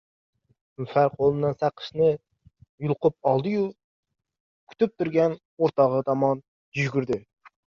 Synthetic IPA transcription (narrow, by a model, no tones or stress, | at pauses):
mfæɾqʰolˠɨnɨnsæqʰːə̥ʃnɨ | julˠqʊp̚ɑlˠd̪ɨju | kʲʰy̥t̪yp̚t̪ʰuɾɡʲɛn | oɾt̪ʰɑʁət̪ʰɑmɑn | d͡ʒyʒɡʲyɾd̪ɪ